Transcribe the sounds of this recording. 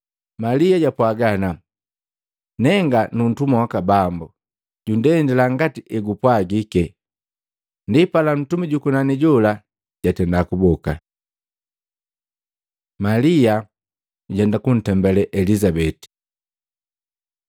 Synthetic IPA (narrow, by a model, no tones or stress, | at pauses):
maliaɟapwaɡana | nɛŋɡanun̩tumawakabambu | ɟundɛndɛlaŋɡatiʔɛɡupwaɡikɛ | ndipalan̩tumiɟukunaniɟɔla | ɟatɛndakubɔka | malia | uɟɛndakun̩tɛmbɛlɛʔɛlizabɛti̥